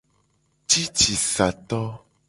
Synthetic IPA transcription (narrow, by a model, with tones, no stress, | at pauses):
t͡ʃi˦t͡ʃi˨sa˨t̪ɔ˦